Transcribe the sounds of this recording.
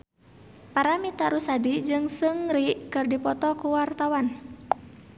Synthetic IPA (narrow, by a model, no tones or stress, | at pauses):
paɾamit̪aɾusadid͡ʒɨŋsɨŋɾiʔkɨrdipɔt̪ɔkuwart̪awan